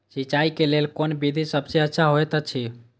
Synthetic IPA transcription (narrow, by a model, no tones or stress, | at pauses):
sit͡ʃaikelelkonbid̪ʱisəbseətːʃʰaɦoet̪ət͡ʃʰi